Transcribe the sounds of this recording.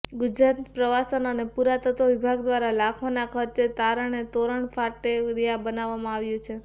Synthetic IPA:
ɡʊd͡ʒɾat̪pɾəʋasənənepuɾat̪ət̪oʋibʱaɡd̪ʋaɾalakʰʋanakʰəɾt͡ʃet̪aɾəɳet̪oɾəɳfʰaʈeɾijabənaʋːamãaʋjũt͡ʃʰe

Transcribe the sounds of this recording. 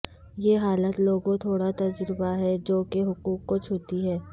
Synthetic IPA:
jeɦaːlət̪loːɡõt̪ʰoːɽat̪ɐd͡ʒɾbaɦɛd͡ʒoːkeɦʊkuːkːot͡ʃʰoːt̪iɦɛː

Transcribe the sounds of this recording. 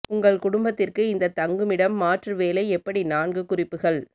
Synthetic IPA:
ʊŋɡɐɭkʊɽʊmbɐt̪ːɪrkɯɪnd̪ɐt̪ɐŋɡɯmɪɽɐmːaːʈrɯʋeːlɐɪɛpːɐɽinaːɳɡɯkʊrɪpːɯɣɐɭ

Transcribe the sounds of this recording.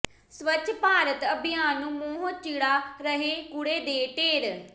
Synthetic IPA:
sʋətʰːpaːɾət̪əbɪjaːnːũːmoːɦot͡ʃiːɽaːɾəɦeːkʊɽeːd̪eːʈeːɾ

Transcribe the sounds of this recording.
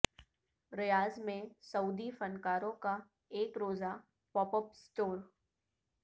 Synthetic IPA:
ɾɪjaːzmẽsɐuːd̪ifɐnkaːɾõka | eːkɾoːza | pɔːpəpsʈoːɾ

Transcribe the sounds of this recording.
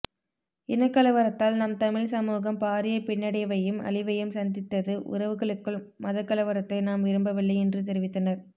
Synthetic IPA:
ɪnɐkːɐlɐʋɐɾɐt̪ːaːlnɐmt̪ɐmɪɻsɐmuːɣɐmpaːɾɪjɐpɪɳːɐɽɐɪʋɐjɯmɐ̰ɭɪʋɐjɯmsɐnd̪ɪt̪ːɐðɯʔʊ̰ɾɐʋɯɣɐɭɯkːɯɭ | mɐðɐkːɐlɐʋɐɾɐt̪ːɐɪnaːmʋɪɾɯmbɐʋɪɭːɐɪɛndrɯt̪̬ɛɾɪʋɪt̪ːɐnɐɾ

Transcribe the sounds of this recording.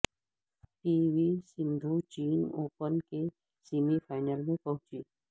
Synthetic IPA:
piːʋisɪ̃nd̪ʱut͡ʃiːnoːpənke | simifʰaːɪnəlmẽpɐɦʊ̃t͡ʃiː

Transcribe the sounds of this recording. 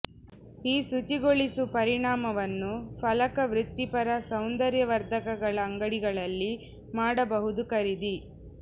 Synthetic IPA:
iːsut͡ʃiɡoɭisupɐɾiɳaːmɐʋɐnːupʰɐlɐkɐʋɾut̪ːipɐɾɐsɐwnd̪ɐɾjɐʋɐɾd̪ʱɐkɐɡɐɭɐːŋɡɐɽiɡɐɭɐlːi | maːɽɐbɐɦud̪ukɐɾid̪i

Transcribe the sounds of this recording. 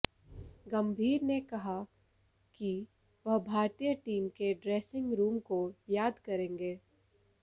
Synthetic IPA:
ɡɐ̃mbʱiːɾnekɐɦa | ki | ʋɐɦbʱaːɾt̪ijəʈiːmkeɖɾeːsɪ̃ŋɡɾuːmkojaːd̪kɐɾẽːŋɡeː

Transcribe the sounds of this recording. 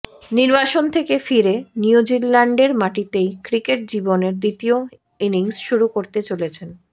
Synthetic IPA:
niɾbaʃont̪ʰekefiɾeniud͡ʑilːaɳɖeɾmaʈit̪ejkɾikeʈ̚d͡ʑiboneɾd̪it̪io | iniŋsʃuɾukoɾt̪et͡ɕolet͡ɕʰen

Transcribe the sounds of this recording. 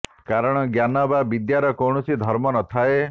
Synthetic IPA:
kaɾɔɽ̃ɔɡjanɔbabid̪jaɾɔkoɳ̃ɔsid̪ʱɔɾmɔnɔt̪ʰae

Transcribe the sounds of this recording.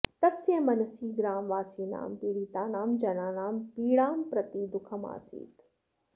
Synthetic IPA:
t̪ɐsjemɐnɐsiːɡɾaːmʋaːsiːna̰ːmpiːɽiːt̪aːnaːmd͡ʒɐnaːnaːmpiːɽaːmpɾɐt̪iːd̪ʊkʰɐma̰ːsḭːt̪

